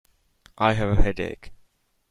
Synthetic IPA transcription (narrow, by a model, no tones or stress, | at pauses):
ʔaɪɨvəhɛdḛɪk